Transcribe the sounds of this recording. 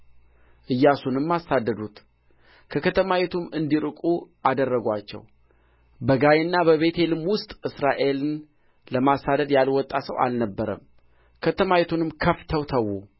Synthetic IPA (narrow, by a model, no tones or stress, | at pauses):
ʔɨjːasunɨmːasad̪ːəd̪ut̪ | kʰəkʰət̪ʰəmawet̪ʰumɨnd̪iɾɨkʼuʔad̪ərːəɡʷat͡ʃːɛ̰w | bəɡajenːabəβe̞t̪ʰe̞lɨmwʊst̪ʼʔɨsɾaʔe̞lɨn | ləmasad̪əd̪jalwɔt̪ʼːasəwa̰lnəbːəɾə̰m | kʰət̪ʰəmaet̪ʰunɨmkʰəft̪ʰəwt̪ʰəwːu